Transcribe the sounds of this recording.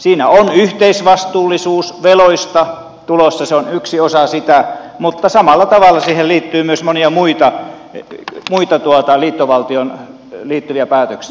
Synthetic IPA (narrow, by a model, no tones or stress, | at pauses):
siːnæonyht̪eisʋɑst̪uːlːisuːsʋeloist̪ɑ | t̪ulosːɑseonyksiosɑsit̪æmut̪ːɑsɑmɑlːˑɑt̪ɑʋɑlːˑɑsiːhelliːt̪ːyːmyøsmoniɑmuit̪ɑ | muit̪ɑt̪uot̪ɑliːt̪ːoʋɑlt̪ion | liːt̪ːyʋiæpæːt̪øksi